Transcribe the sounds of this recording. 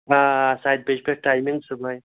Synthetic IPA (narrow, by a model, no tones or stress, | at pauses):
asajd̪̚ped͡ʒpeʈaːjmiŋɡsubaj